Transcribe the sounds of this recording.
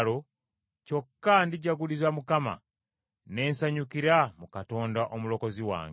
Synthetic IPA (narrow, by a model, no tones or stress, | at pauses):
lo | co̞kːandiɟaɡulizamukama̰ | ne̞ːnsaɲukiɾamukato̞ːndaʔomulo̞ko̞ziwa̰ːŋ